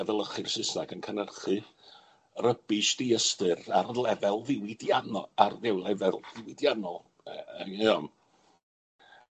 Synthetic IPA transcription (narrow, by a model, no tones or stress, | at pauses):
əðəlˠəχɪr̥sɪsaɡənkʰənərχɨ | rəbɪʃdiəstɨrarlɛvɛlˠvɪwɪdjanɔarðɛwlˠɛvɛlˠvɪwɪdjanɔlˠ | iɔn